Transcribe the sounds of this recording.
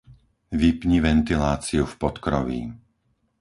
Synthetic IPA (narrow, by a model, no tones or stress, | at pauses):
ʋipɲiʋɛnt̪ilaːt͡siufpɔt̪kɾɔʋḭː